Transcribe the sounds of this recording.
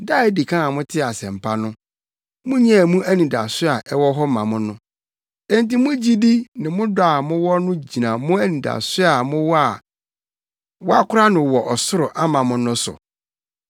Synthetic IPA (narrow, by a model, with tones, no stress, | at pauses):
da˦ɪ˦di˨kʰã˦a˨mʊ̃˦tʰɪ˦˨a˨sɛ̰̃˨m̩˨pʰa˦nʊ̃˦ | mʊ̃˦ɲɛ̃˦˨mũ˦æ˦nĩ˨da̰˨sʊ˦a˨ʔɛ˦wɔ˦ɦɔ˦mã˨mʊ̃˦nʊ̃˦ | ɛ˦n˦ti˦mʊ̃˦d͡ʑi˦di˦nɪ̃˨mʊ̃˦da˨mʊ̃˦wɔ˦nʊ̃˦d͡ʑi˨nã˨mʊ̃˦æ˦nĩ˨da̰˨sʊ˦a˨mʊ̃˦wɔ˦a˨ | wɔ˦a˦kʰʊ˦ɾa˦nʊ̃˨wɔ˨ʔɔ˨sʊ˦ɾʊ˨ʔa˦mã˨mʊ̃˨nʊ̃˦sʊ̰˨